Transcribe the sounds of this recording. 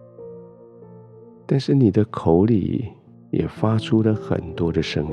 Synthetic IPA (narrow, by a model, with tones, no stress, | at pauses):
t̪a˥˧nʂɻ̩˥˩ni˨˩d̪ə˦kʰo˧˥ʊlḭ˨˩ | jɛ̰˨˩fa˥ʈ͡ʂʰu˥lə˨xə̰˨˩nt̪wɔ˥d̪ə˨ʂə˥ŋ